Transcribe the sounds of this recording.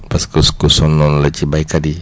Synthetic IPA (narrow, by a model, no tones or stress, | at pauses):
paskuskusɔnːɔnlət͡ʃibaikadi